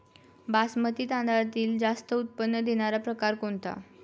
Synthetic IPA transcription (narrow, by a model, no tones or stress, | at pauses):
basmət̪iːt̪ãnd̪at̪iːld͡zast̪əut̪̚pənːəd̪eɽ̃aɾapɾəkaɾkoɳt̪a̰